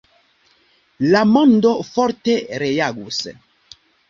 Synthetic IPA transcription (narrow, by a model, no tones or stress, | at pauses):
lamɔnd̪ofɔɾt̪eɾejaɡus